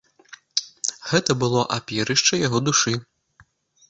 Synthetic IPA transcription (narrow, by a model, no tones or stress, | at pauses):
ɣɛt̪ɐbɨlˠɔʔapʲɛɾɨʂt͡ʂɐjaɣɔd̪uʂɨ